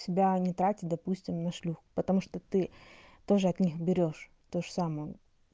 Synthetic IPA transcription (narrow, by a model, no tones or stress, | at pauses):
sʲɪbʲanʲɪt̪ɾatʲɪt̪̚ʲd̪ɐpusʲtʲɪmnɐʂlʲuxpət̪ɐmuʂt̪ot̪ɨt̪o̞ʐɨɐt̪nʲixbʲɪɾʲo̞ʂ | t̪oʐəsamɨjə